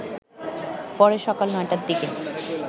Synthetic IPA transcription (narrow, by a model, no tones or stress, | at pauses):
pɔɾeʃɔkalnɔeʈaɾd̪iken